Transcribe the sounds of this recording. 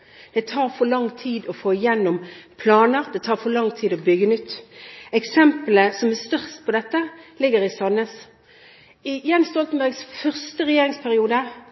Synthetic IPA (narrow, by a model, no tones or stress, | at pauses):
d̪̥ɛt̪ʰɑːʁfɔlɑŋt̪ʰiːd̪ɔfoːɪjɛnːɔmpʰlɑːnəʁd̪ɛt̪ʰɑːʁfɔlɑŋt̪ʰiːd̪ɔbʏɡənʏt̪ːɛksɛmpələsɔmæst̪œʁst̪pʰɔd̪ɛt̪ːəlɪɡəʁɪsɑnəs | ɪjɛnːst̪ɔlt̪n̩bæʁɡsfœʁst̪əʁɛjeːʁɪŋspʰæʁɪuːd̪ə